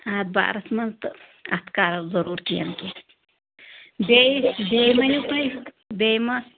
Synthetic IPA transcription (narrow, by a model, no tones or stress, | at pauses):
aːd̪̚ba̰ːɾɐsmɐnt̪ | ɐ̰t̪kaːɾɐzɐɾuːɾkijɐ̰nke | bebejmɐjupɐj | bejmɐ